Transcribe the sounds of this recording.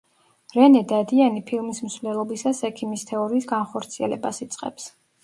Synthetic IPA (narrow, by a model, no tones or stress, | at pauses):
ɾɛnɛd̪ad̪ianipʰilˠmismsvlɛlˠɔbisasɛkʰimist̪ʰɛɔɾiːsɡanχɔɾt̪sʰiɛ̰lɛ̰basit̪sʼqʼɛ̰ps